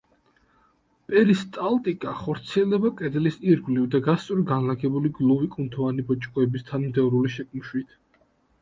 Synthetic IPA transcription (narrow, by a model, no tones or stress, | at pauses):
pʼɛɾist̪ʼalt̪ʼikʼaχɔɾt̪sʰiɛld̪ɛbakʼɛd̪lisiɾɡlivd̪aɡast̪sʼɔɾɡanlaɡɛbuliɡlˠuvikʼunt̪ʰɔvanibɔt͡ʃʼkʼɔɛbist̪ʰanmd̪ɛvɾuliʃɛkʼm̩ʃwit̪ʰ